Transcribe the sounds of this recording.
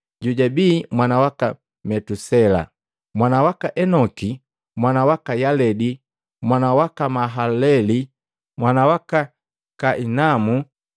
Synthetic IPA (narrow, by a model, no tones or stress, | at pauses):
ɟuɟabiːmwanawaka | mɛtusɛla̰ | mwanawakaʔɛnɔki | mwanawakajalɛdi | mwanawakamaɦalɛli | mwanawaka | kaʔinamu